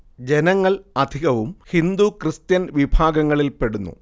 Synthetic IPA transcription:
d͡ʑe̞nɐŋːɐɭɐd̪ʱiɣɐʋumhind̪ukrɨst̪jɐnʋibʱaːɡɐŋːɐɭilpe̞ɽunːṵ

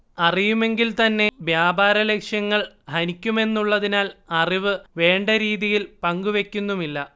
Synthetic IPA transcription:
ɐrijume̞ŋɡilt̪ɐnːe̞ʋjaːbaːɾɐle̞kʂjɐŋːɐɭ | hɐnikʲːume̞nːuɭːɐðinaːlɐriʋɨʋe̞ːɳɖɐɾiːðijilpɐŋɡuʋe̞kʲːunːumilːɐ

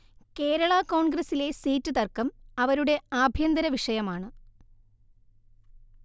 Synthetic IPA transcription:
ke̞ːɾɐɭakoːɳɡɾɐsile̞siːtːɨt̪ɐrkɐmɐʋɐɾuɽe̞aːbʱjɐnd̪ɐɾɐʋiʂɐjɐmaːɳɨ

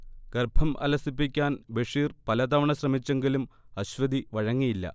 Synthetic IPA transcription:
kɐrbʱɐmɐ̰lɐsipːikʲːaːnbeʂiːrpɐlɐd̪ɐʋɐɳɐɕrɐmit͡ɕːe̞ŋɡilumɐɕʋɐd̪iʋɐɻɐŋːijilːɐ̰

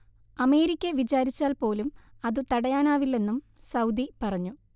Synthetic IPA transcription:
ɐme̞ːɾikʲːɐʋit͡ɕaːɾit͡ɕːaːlpo̞ːlumɐðɨt̪ɐɽɐjaːnaːʋilːe̞nːum | sɐwd̪ipɐrɐɲːu

